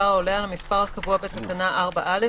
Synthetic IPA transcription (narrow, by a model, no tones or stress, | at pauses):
aʁaolealamispaʁhakavuabet̪atanaʔaʁbaʔale